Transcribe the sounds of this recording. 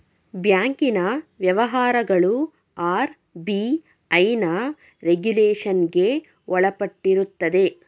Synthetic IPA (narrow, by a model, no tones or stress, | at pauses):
bjaːŋkinɐʋjɐʋɐɦaːɾɐɡɐɭu | aːɾ | bi | ɐjnɐ | ɾeɡuleːʂɐnɡe̞ | ɔɭɐpɐʈːiɾut̪ːɐd̪e̞